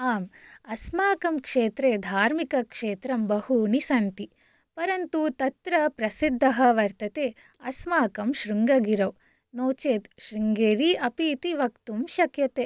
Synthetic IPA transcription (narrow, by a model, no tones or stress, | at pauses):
aːmɐsmaːkɐmkʂeːt̪ɾeːd̪ʱaːɾmikɐkʂeːt̪ɾɐmbɐhunisɐnt̪i | pɐɾɐnt̪ut̪ɐt̪ɾɐpɾɐsid̪ʱːɐɦɐʋɐɾt̪ɐt̪eː | ɐsmaːkɐmʃɾuŋɡɐɡiɾɐw | noːt͡ʃeːt̪ʃɾiŋɡeːɾiɐpiːt̪iʋɐkt̪umʃɐkjɐt̪eː